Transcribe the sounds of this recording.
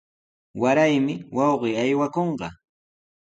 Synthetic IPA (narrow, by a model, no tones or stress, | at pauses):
waɾajmɪwɑwɢɪjajwakoɴɢɑ